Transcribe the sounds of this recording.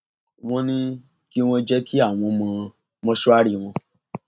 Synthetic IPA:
w̃ɔ̃˦nĩ˦ | ki˦w̃ɔ̃˧d͡ʒɛ˦kʰi˦a˦˨w̃ɔ̃˧mɔ̃˧ | mɔ̃˧ʃu˦a˦ɾi˦˨w̃ɔ̃˧

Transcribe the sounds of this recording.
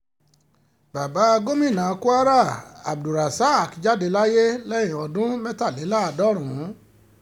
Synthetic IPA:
ba˨ba˨˦a˧ɡo˦mĩ˦˨nãː˨˦˧ku˦a˦ɾa˦˨a˨b̚du˨ɾa˨sa˦˨kd͡ʒa˨˦de˨˦la˦je˦lɛ̃˦ĩ˨ɔ˧dũ˦mɛ˦ta˦˨le˨˦la˦˧dɔ˦ɾ̃ũ˨˦

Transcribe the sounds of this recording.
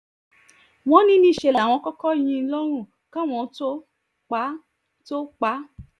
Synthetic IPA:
w̃ɔ̃˧˦nĩ˦nĩ˧˦˨ʃe˧˨la˨w̃ɔ̃˧˦kɔ˦kɔ˦˨j̃ĩ˧˦lɔ˦ɾ̃ũ˦˨ | kã˦˨w̃ɔ̃˧to˦ | k͡pa˨˦ | to˦k͡pa˨˦

